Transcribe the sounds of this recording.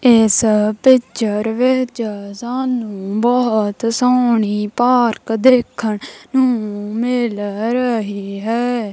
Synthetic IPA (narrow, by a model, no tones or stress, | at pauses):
ɪspɪt͡ʃəɾʋɪt͡ʃsãːnũːbɔːt̪soːɳiːpaːɾkd̪eːkʰːəɳnũːmɪlɾəɦiːɦɛː